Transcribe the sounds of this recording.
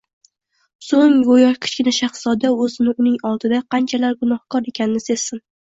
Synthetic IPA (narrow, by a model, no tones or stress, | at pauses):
soŋjojɒʃkʲʰɵ̥t͡ʃkʲɪnaʃaχsɒd̪aɵzɪnɪʊnɪŋɒlˠd̪ɪd̪aqʰɑnt͡ʃʰalaɾɡʊnɒhkʰɒɾe̞kʲʰanɪnɪsez̥sɪn